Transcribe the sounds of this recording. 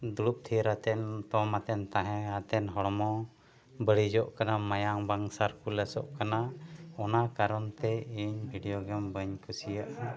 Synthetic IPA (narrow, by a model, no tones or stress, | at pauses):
d̪uɽup̚t̪ʰiɾat̪ɛnt̪ɔmat̪ɛnt̪aɦɛ̃at̪ɛnɦɔɽɔmɔ | bəɽid͡ʒɔʔkanamajaŋbaŋsaɾkulɛsɔ̰ʔkanaɔnakaɾɔnt̪ɛiɲbʱiɖijɔɡɛmbəɲkʰusijaʔ